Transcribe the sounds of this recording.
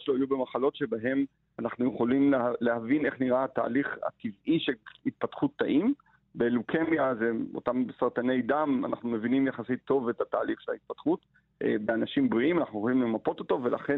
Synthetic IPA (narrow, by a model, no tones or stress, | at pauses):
loajubemaχalo̞tʃe̞baɦe̞m | anaχnujeχo̞limlelehavine̞χniʁaata̰ːliχa̰tiviʃelit̪̚patχut̪ːaʔim | beːlukʰe̞mjazeo̰tamsaʁt̪ane̞jdama̰na̰χnumevinimjaχasit̪ʰːo̞vetataːliχʃelait̪̚patχut | ʔbeanaʃimbʁiʔimanaχnujeχolimle̞mapo̞t̪oto̞ve̞la̰χen